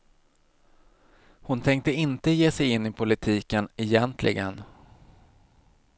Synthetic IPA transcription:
hʊnt̪ʰɛŋk̚t̪əɪnt̪əjeːsɛjɪnːɪpʰʊlɪt̪ʰiːkənɛjɛnt̪ʰlʔɪ̰ɡən

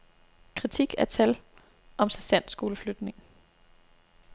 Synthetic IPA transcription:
kʰʁit͡sʰiɡ̥æɐt͡sʰæl | ɒ̽msæsæn̰̥sɡ̥o̝ːləflød̥ne̝ŋ

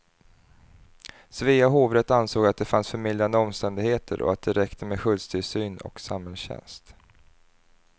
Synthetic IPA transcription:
sviːaɦoːvɾɛt̪ːansoːɡat̪̚d̪ɛfansfœɾmɪld̪ɾand̪əɔmst̪ɛnd̪ɪɡheːt̪ʰə̰ɾʔɔ̰at̪̚d̪ɛɾɛkt̪ʰəmeɧɵlst̪ʰɪlsyːnɔ̰ksamhɛlsɕɛ̰nst̪

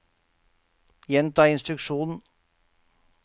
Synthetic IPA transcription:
jɛnt̪ɑːɪnst̪ɾʉkʂuːnn̩

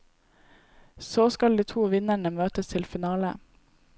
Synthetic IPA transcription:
soːskɑld̪iːt̪ʰuːʋɪnæɳəmøːt̪əst̪ʰɪlfɪnɑːlə̰

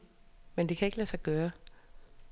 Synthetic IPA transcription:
mend̥e̝kʰæe̝ɡ̥əlæːsɑ̈ɪɡ̥œːɐ

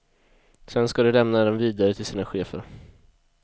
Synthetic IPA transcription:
sɛnskad̪ɵlɛmnad̪ɛmviːd̪aɾət̪ʰɪlsiːnaɧeːfə̰ɾ

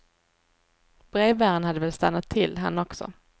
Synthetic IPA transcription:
b̥ɾeːvæːɾənhad̪ːəvɛlst̪anːat̪ʰːɪlːɦa̰nːɔksɔ̰

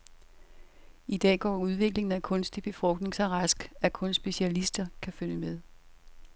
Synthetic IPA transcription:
id̥ɛ̰ːɡ̥ɒ̰ːuð̞ˠʋe̝ɡ̥le̝ŋn̩ækʰɔ̽nsd̥ib̥e̝fʁɔ̽ɡ̥̚d̥ne̝ŋsɒʁɑsɡ̥ækʰɔ̽nsb̥e̝ɕiælisd̥ɐkʰæfønəmeð̞ˠ

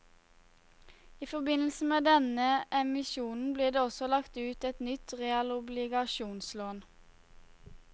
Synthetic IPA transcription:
iːfɔʁbɪnl̩səmeːd̪ɛnəʔɛmɪʃuːnn̩bliːʁd̪eːɔsɔlɑkt̪ʉːt̪ɛt̪nʏt̪ʁɛɑlʊblɪɡɑʃuːnsloːn

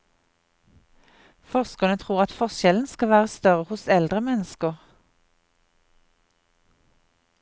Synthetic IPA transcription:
fɔʁskənət̪ʰʁuːʁɑt̪fɔʁʃɛln̩skɑʋæːʁəst̪œʁəhʊsɛld̪ʁəmɛnəskəʁ

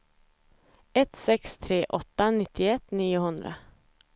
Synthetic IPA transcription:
ɛt̪sɛkst̪ʰɾeːʔɔt̪ːanɪt̪ʰːɪɛt̪ːniːʊɦɵnd̪ɾa̰

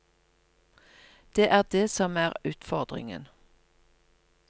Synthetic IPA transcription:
d̪̥eːʔæːʁd̪eːsɔmæːʁʉːt̪fɔʁd̪ʁɪ̰ŋə̰n

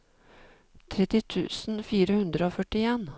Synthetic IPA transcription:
t̪ʰɾɛt̪ːɪt̪ʰʉ̰ːsn̩fiːɾəhʉnd̪ɾəoːfœʈɪeːn

